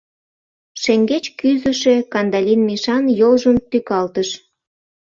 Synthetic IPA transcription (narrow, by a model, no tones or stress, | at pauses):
ʃeŋɡet͡ɕkyzə̆ʃe̽kɑnd̪ɑlʲinmiʃɑnjolʒəmt̪ykɑlt̪əʃ